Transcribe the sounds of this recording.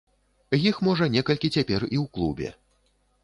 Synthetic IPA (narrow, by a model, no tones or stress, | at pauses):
jixmɔʐɐnʲɛkɐlʲkʲit͡sʲapʲɛriwklˠubʲɛ̰